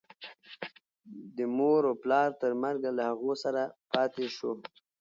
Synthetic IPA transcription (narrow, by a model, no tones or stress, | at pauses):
d̪əmoɾoplɑɾt̪əɾmaɾɡalahaɣosaɾapɑt̪eʃo